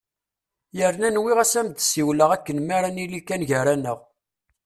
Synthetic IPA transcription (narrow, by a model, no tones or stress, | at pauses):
jəɾnænwiʁæsæmd̪siwləʁækːənmaɾanilikːænʝəɾænəʁ